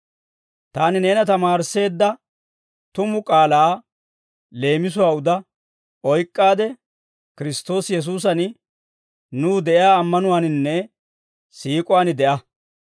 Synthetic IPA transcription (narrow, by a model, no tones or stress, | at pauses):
t̪aːnɪne̞ːnɐt̪ɐmaːɾse̞ːd̪ːɐ | t̪ʊmʊkʼaːlaː | le̞ːmɪs̬ʊwaːʊd̪ɐ | ɔjkʼːaːd̪ɛ | kɪɾɪst̪o̞ːsjɛs̬uːs̬ɐn | nuːd̪ɛʔɪjaːmːɐnʊwaːnɪnːɛ | siːkʼʊwaːnɪd̪ɛʔɐ